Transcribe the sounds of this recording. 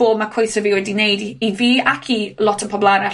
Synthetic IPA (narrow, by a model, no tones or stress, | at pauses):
oːbmakʰwejθəvɪwɛdinejdiviːakʰilˠɔtʰənpʰɔblˠanɛ